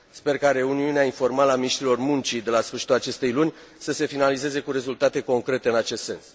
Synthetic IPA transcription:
spe̞rkaɾe̞uniuneainfo̞rmaləaminiʃt̪ɾilo̞rmunt͡ʃid̪e̞lasfɨrʃi̥t̪ulat͡ʃe̞st̪e̞jlunʲ | səse̞finalize̞ze̞kuɾe̞zult̪at̪e̞ko̞ŋkɾe̞t̪eɨnat͡ʃe̞st̪se̞̰ns

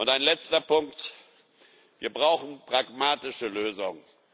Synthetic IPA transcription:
ʔʊntaɪnlɛt͡stɐpʊŋkt | viːɐbʁaʊxn̩pʁ̥aɡmaːtɪʃəløːzʊŋə

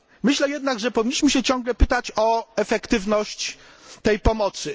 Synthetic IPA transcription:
mɘɕlɛjɛd̪naɡʐɛpɔvʲiɲːiɕmɘɕɛt͡ɕɔ̃ŋɡlɛpɘt̪at͡ɕɔɛfɛkt̪ɘvnɔɕt͡ɕ | t̪ɛjpɔmɔt̪sɘ

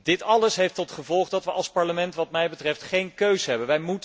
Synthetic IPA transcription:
d̥ɪtɑləsɦejftɔtχəvɔlˠχdɑtʋəʔɑ̰lˠspɑɹləmɛntʋɑtmɛjbətrɛftχejnkøɥzəɦɛbənʋɛjmut

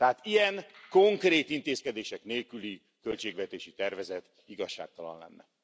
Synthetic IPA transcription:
t̪ɛɦaːt̪ijɛŋko̞ŋkreːt̪int̪eːskɛd̪eːʃɛkneːlkyli | kølt͡ʃeːɡvɛt̪eːʃit̪ɛrvɛzɛt̪ | iɡɒʃːa̰ːk̚t̪ɒlɒ̰nlɛ̰nːɛ

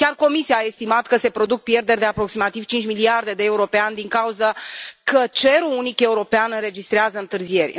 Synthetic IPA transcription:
kʲarko̞misiaːe̞st̪imat̪kəse̞pɾo̞d̪uk̚pje̞rd̪e̞rʲɾʲd̪e̞apɾo̞ksimat̪iv̥t͡ʃint͡ʃmiliard̪e̞d̪e̞ːuɾo̞peanʲd̪iŋkauzəkət͡ʃe̞ɾuunike̞uɾo̞peanɨnre̞d͡ʒist̪ɾeazəɨnt̪ɨrzie̞rʲ

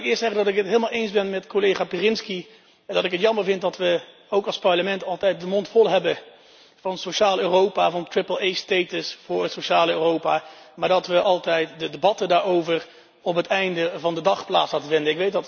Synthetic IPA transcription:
kɪːəstsɛχəndɑtɪkɦətɦɪːlˠmalˠejnzbɛnmɛtkolejχaːpirɪnski | dɑtɪkətjɑməɹvɪnt̚dɑtʋə | owkɑlˠspɑɹləmɛntɑlˠtɛjt̚dəmɔntfɔlˠɦɛbə | vɑnsoʃaːløːrowpaːvɑntɹɪpəlˠejstejtəsfʊːɹətsoʃaːləøːrowpamaːɹdɑtʋəʔɑlˠtɛjtdədebɑtədaːɹowvəɹ | ɔpɦətɛjndəvɑndədɑχpla̰ːtslaːtəvɪndənɪkʋejt̚dɑt

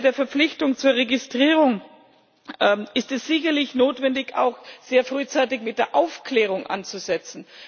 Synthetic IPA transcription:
deːɐfɛɐp͡flɪçtʊŋt͡suːɐʁeɡɪstʁ̥iːʁʊŋ | ɪstɛsz̥ɪçɐlɪçnoːtv̥ɛndɪça̰ʊxz̥eːɐfʁ̥yːt͡saɪtɪçmɪt̚d̥eːɐʔaʊfkʰlɛːʁ̞ʊŋʔa̰nt͡suzɛt͡sn̩

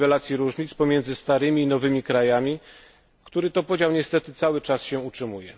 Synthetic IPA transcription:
vɛlat̪sʲjiɾuʐɲit̪spɔmʲjɛnd̪zɘst̪aɾɘmʲiːnɔvɘmʲikɾajamʲi | kt̪uɾɘt̪ɔpɔd͡ʑawɲɛst̪ɛt̪ɘt̪sawɘt͡ʂasɕɛ̃utʂɘmujɛ

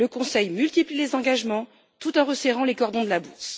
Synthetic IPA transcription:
ləkɔ̃sɛjmylt̪iplilezɑ̃ɡaʒmɑ̃ | t̪ut̪ɑ̃ʁəsɛʁɑ̃lekɔʁd̪ɔ̃d̪əlabus

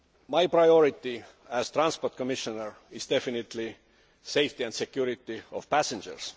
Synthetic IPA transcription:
majpɹajoɾit̪ːi | æz̥t̪ɾãnsport̪̚komiʃonəɹ | izd̪efinit̪li | sejft̪iæ̃nd̪sekjuɾit̪ːiov̥pæsend͡ʒə̰ɹs

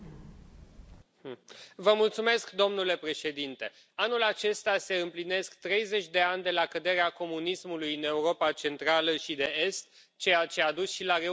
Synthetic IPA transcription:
vəmult̪sume̞skd̪o̞mnule̞pɾe̞ʃe̞d̪int̪e̞ | anulat͡ʃe̞st̪ase̞ɨmpline̞skt̪ɾe̞jze̞t͡ʃʲd̪e̞anʲd̪e̞lakəd̪e̞ɾeako̞munismulujɨne̞uɾo̞pat͡ʃe̞nt̪ɾaləʃid̪e̞e̞st̪ | t͡ʃe̞jat͡ʃe̞ad̪usʃilaɾe

